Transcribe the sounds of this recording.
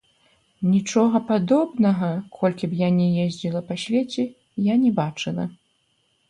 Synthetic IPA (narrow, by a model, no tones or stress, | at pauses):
nʲit͡ʂɔɣɐpad̪ɔbnɐɣɐkʰɔlʲkʲibjanʲɛjezʲd͡zʲilˠɐpasʲvʲet͡sʲɛ | janʲɛbat͡ʂɨlˠɐ̰